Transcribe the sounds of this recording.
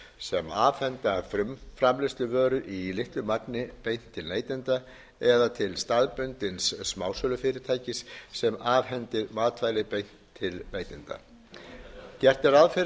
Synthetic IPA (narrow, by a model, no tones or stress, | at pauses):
sɛmaːvhɛnt̪afɾʏmfɾamlɪst̪ʏvœːɾʏʔilɪht̪ʏmat̪nɪpejn̥t̪ʰːɪlneːjt̪ɪnt̪a | ɛðat̪ʰɪlst̪aðpʏnt̪ɪnsːmaːwsœːlʏfɪːɾɪɾ̥t̪ʰaːjcɪsːɛmaːvɦɛnt̪ɪðmaːðt̪ʰvajlɪpejn̥tt̪ʰːɪlnejt̪ɪnt̪a̰ | cɛr̥t̪ɛɾaðfɪɾ